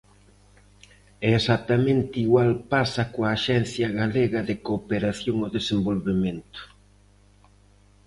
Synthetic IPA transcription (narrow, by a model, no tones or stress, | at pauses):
ɛesat̪amẽnt̪ɪiɣwalpasɐkoaːʃɛn̟θjɐɣaleɣɐðɪkopeɾaθjoŋoðesembolβemẽnt̪ʊ̥